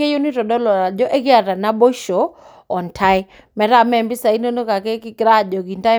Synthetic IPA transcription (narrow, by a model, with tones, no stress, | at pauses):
e˦ju˦ni˦tɔ˨dɔ˦lɔ˨ɾa˨d͡ʒɔ˦ʔɛ˦ɡɪ˦a˨ɾa˨na˦bo˦ʃo˨ | ɔ˨ntʰa˦ɪ˦ | mɛ˨ɾa˦mɛ˦˨mbi˦sa˨i˦no˦no˦ka˨kɛ˦ki˦kɾa˦˨d͡ʒɔ˨ɡi˨nta˦